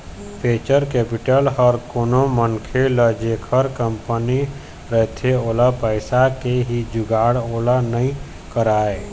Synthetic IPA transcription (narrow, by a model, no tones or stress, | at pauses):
pʰeːt͡ʃəɾkeːpiʈəlɦəɾkoːnomənkʰeləd͡ʒekʰəɾkəmpəni | ɾəɦt̪ʰeoːlapəɪsakeɦid͡ʒʊɡaːɽoːlanəĩ | kəɾaːe